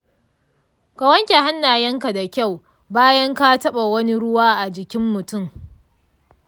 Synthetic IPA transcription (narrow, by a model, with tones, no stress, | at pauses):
ka˨wɐ˦ŋkʲa˨ɦa˦nːaː˨jɐ˦ŋka˨da˨kʲa˦˨w | baː˦jɐ˦ŋka˦tɐ˦ɓa˨wɐ˦ni˦ɽʊ˦waː˦ʔa˨d͡ʒɪ˨kʲɪ˦mːʊ˨tʊ˦˨m